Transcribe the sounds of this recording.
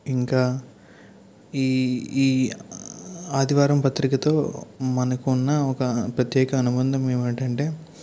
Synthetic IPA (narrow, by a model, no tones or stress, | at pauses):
iŋkaː | iːiː | aːd̪iʋaːɾɐmpɐt̪ɾikɐt̪o̞ːmɐnɐkuːnːɐɔkɐpɾɐt̪jɛːkɐːnubɐnd̪ɐmeːmɐɳʈɐɳʈe̞ː